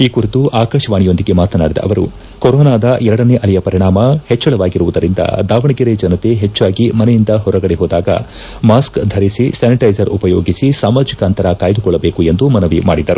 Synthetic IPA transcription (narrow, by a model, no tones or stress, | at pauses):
iːkuɾit̪uʔaːkɐʂɐʋaːɳijo̞nd̪iɡe̞maːt̪ɐnaːɽid̪ɐ̰ʔɐ̰ʋɐɾṵ | kɔɾɔːnaːd̪ɐʔɛɾɐɽɐneːʔɐlijɐpɐɾiɳaːmɐhet͡ʃːɐɭɐʋaːɡiɾuʋud̪ɐɾind̪ɐ̰d̪aːʋɐɳɐɡiɾed͡ʒɐnɐt̪e̞ɦet͡ʃːaːɡimɐnɛjind̪ɐɦɔɾɐɡɐɽeɦoːd̪aːɡɐ̰ | maːskd̪ʱɐɾisisaːniʈɐjd͡ʒɐɾupɐjoːɡisisaːmaːd͡ʒikɐɐnt̪ɐɾɐkaːjd̪ukɔɭːɐbe̞ːkue̞nd̪umɐnɐʋimaːɽid̪ɐɾu